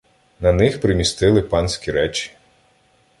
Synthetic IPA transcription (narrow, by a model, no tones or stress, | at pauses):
nɐnɪxpɾɪmʲist̪ɪlˠɪpɑnsʲkʲiɾɛt͡ʃʲi̥